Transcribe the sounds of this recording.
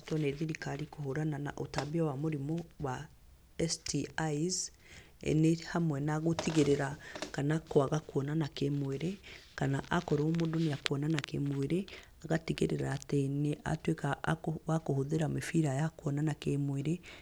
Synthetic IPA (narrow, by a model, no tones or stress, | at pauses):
tɔneðiɾikaɾikohoɾanana̰ʔotaβiawamoɾimowa | ɛstiaiz | ḛnehamwɛnaɣotiɣeɾeɾakanakoaɣakwɔnanakemweɾekanaʔakɔɾoomodonejakwɔnanakḛmweɾe | aɣatiɣḛɾeɾaːteneʔa̰twekawakohoðeɾamefiɾajakwɔnanakemweɾe